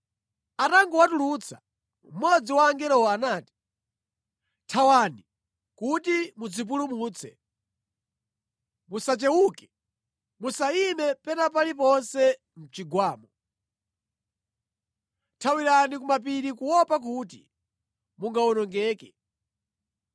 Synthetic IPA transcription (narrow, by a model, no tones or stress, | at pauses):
ataŋɡɔwatulut͡sʰḁ | m̩mɔd͡ziwaːŋɡɛɾɔwɔanaːti̥ | tʰawani | kutimud͡zip̬ulumuːt͡sʰɛ̰ | musat͡ʃɛwukɛ̥ | musainɛpɛnapalip̬ɔnsɛ | m̩t͡ʃiɡwaːmɔ | tʰawiɾanikumap̬iɾikuwɔpak̬utḭ | muŋɡawɔnɔŋɡɛːkɛ